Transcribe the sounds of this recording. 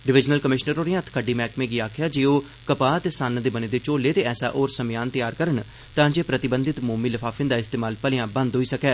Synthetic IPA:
ɖɪʋɪd͡ʒnəlkəmɪʃnəɾoːɾɪjãːt̪ʰkʰəɖiːmɛːkmẽːɡiːaːkʰjaːd͡ʒeːoː | kəpaːət̪eːsanːd̪eːbəneːd̪eːt͡ʃoːleːt̪eːɛːsa̰ːʔoːɾsəmɪjaːnt̪ɪjaːɾkəɾən | t̪ãːd͡ʒeːpɾət̪ɪbənd̪ɪt̪moːmiːləfʰaːfʰɪnd̪aːɪst̪eːmaːlpəlɪjãːbə̃nd̪ɦoːiːsəkɛː

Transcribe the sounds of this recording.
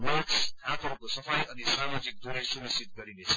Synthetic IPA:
wʌlksd̪ʱat̪ʌɾkosʌpʰʌjʌnisamad͡zik̚d̪uɾesumisit̪ɡʌɾinet͡sʰʌ̥

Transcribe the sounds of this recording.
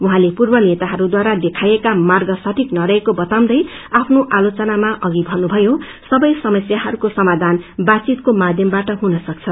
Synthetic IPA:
uɦãlepurbʌnet̪aɦʌɾud̪waɾad̪ekʰajekamarɡʌsaʈʰiknʌɾʌekobʌt̪aw̃d̪ʌjapʰnoʔalot͡sʌnamaʔʌɡibʱʌnubʱʌjo | sʌbʌjsʌmʌsjaɦʌɾukosʌmad̪ʱanbat͡sit̪̚komad̪ʱjʌmbaʈʌɦunʌsʌk̚t͡sʰʌ

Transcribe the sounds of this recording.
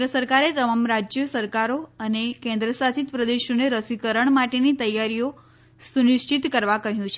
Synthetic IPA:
ɾəsəɾkaɾet̪əmamɾad͡ʒjəsəɾkaɾoənekẽnd̪ɾəsat͡ʃit̪pɾəd̪eʃoneɾəsikəɾəɳmaʈenit̪əjaɾijo | sunɪʃt͡ʃit̪kəɾʋakəɦjũt͡ʃʰe

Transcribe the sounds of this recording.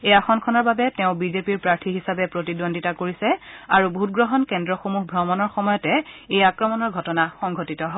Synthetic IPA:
ejaxɔnkʰɔnɔɹbabɛtɛʊ̃bizepiɹpɹaɹtʰiɦisabɛpɹotidonditakoɹisɛaɹubʱut̚ɡɹɔɦɔnkɛndɹɔxomuɦbʱɹɔmɔnɔɹxɔmɔjɔtɛejakɹɔmɔnɔɹɡʱɔtɔnaxɔŋɡʱotitɔɦɔb

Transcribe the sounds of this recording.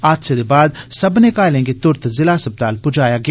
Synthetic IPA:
aːd̪sed̪ebaːd̪sɐbnekaːlẽːŋɡet̪ʊɾt̪zɪlaːsəb̚d̪aːlpʊd͡ʒaːjaɡɪa

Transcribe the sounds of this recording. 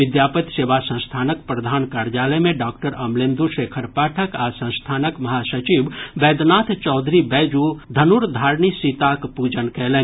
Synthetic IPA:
ʋɪd̪jaːpət̪seːʋasə̃nst̪ʰaːnək̚pɾɐd̪ʱaːnkaːɾjaːləmẽɖaːkʈəɾɐmleːmd̪uʃeːkʰəɾpaːʈʰəkasə̃ñst̪ʰaːnəkmɐɦasət͡ʃibbɛːd̪naːt̪ʰt͡ʃɔːd̪ʱɾibɛːd͡ʒud̪ʱɐnuɾd̪ʱaːɾnisit̪akpuːd͡ʒənkɛɦle

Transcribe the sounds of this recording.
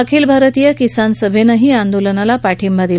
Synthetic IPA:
əkʰiːlbʱaɾət̪ijəkisansəbʱenəɦiːand̪olənalapaʈʰimbʱad̪il

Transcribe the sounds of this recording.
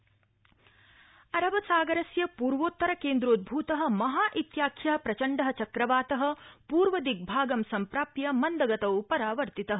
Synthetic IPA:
ɐɾɐʋɐsaːɡɐɾɐsjɐpuːɾʋoːt̪ːɐɾɐkeːnd̪ɾoːd̪̚bʱuːt̪ɐɦɐ̆mɐɦaːʔit̪jaːkʰjɐɦɐpɾɐt͡ʃɐɳɖɐɦɐ̆t͡ʃɐkɾɐʋaːt̪ɐɦɐ̆puːɾʋɐd̪iɡ̚bʱaːɡɐmsɐmpɾaːpjɐmɐnd̪ɐɡɐt̪ɐwpɐɾaːʋɐɾt̪it̪ɐɦɐ

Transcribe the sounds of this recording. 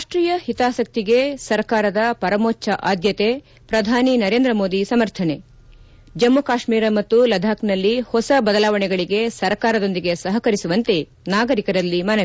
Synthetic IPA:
ɾaaːʂʈɾiːjɐhit̪aːsɐk̚t̪iɡe̞sɐɾkaːɾɐd̪ɐpɐɾɐmoːt͡ʃːt͡ʃːɐʔaːd̪jɐt̪e̞ | pɾɐd̪ʱaːninɐɾeːnd̪ɾɐmoːd̪isɐmɐɾt̪ʰɐne̞ | d͡ʒɐmːukaːʃmiːɾɐmɐt̪ːulɐd̪ʱaːknɐlːihɔsɐbɐd̪ɐlaːʋɐɳɛɡɐɭiɡe̞sɐɾkaːɾɐd̪o̞nd̪iɡe̞sɐɦɐkɐɾisuʋɐnt̪e̞ | naːɡɐɾikɐɾɐlːimɐnɐ

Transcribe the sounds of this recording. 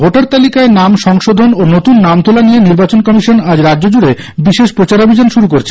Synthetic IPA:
oʈaɾt̪alikaenamʃɔŋʃod̪ʱononot̪unːamt̪ʰulanijeniɾbat͡ɕonkɔmiʃonad͡ʑɾad͡ʑːd͡ʑod͡ʑuɾe | biʃeʃpɾot͡ɕaɾobʱid͡ʑonʃuɾukoɾet͡ɕʰe

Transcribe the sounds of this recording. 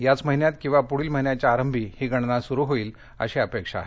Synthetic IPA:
jat͡sməɦinjat̪̚kĩw̃ʋapuɽiːlməɦinjat͡ɕaːɾəmbʱiːhiːɡʱəɽ̃nasuɾuːɦoiːl | ə̰ɕeəpekʂa̰ːɦe

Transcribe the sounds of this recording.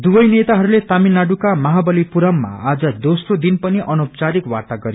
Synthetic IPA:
d̪ubʌjnet̪aɦʌɾulet̪aminːaɖukamʌɦabʌlipuɾʌmːa̰ad͡zʌd̪osrod̪inpʌniʔʌnopt͡saɾikwat̪aɡʌɾi

